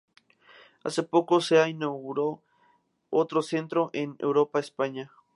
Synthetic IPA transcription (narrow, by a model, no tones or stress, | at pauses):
a̰se̞pokoseainawɣuɾo | ot̪ɾose̞nt̪ɾoʔenḛwɾopaespaɲa